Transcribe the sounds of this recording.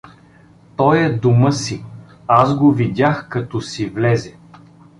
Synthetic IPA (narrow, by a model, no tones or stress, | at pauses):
t̪ɔjɛd̪uməsi | azɡovid̪ʲaxkɐt̪ɔsivlɛzɛ